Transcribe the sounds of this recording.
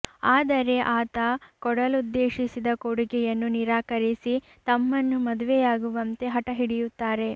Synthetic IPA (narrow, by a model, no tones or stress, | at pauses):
aːd̪ɐɾe̞ʔaːt̪ɐkɔɽɐlud̪ːeːʃisid̪ɐkoɽuɡɛjɐnːuniɾaːkɐɾisi | t̪ɐmːɐnːumɐd̪uʋɛjaːɡuʋɐnt̪e̞ɦɐʈɐɦiɽijut̪ːaːɾe̞